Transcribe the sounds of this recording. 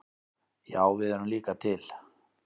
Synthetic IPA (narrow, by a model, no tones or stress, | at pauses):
jaːwvɪðɛɾʏmliːkat̪ʰɪl̥